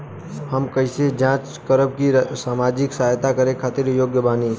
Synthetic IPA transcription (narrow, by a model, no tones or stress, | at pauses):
həmkəɪsed͡ʒãːt͡ʃ | kəɾəb̚kisaːmaːd͡ʒɪksaːjt̪akəɾekʰaːt̪ɪɾjoːɡjəbaːni